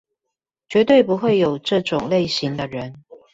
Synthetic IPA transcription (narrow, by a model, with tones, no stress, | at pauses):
t͡ɕɥɛ˧˥t̪we˥˩ɪp̬u˧˥xwe˥˩ɪjo˨˩ʊʈ͡ʂɤ˥˧ʈ͡ʂʊ˨˩ŋle˥˩ɪɕi˧˥ŋd̪ə˧ɻə˨˦n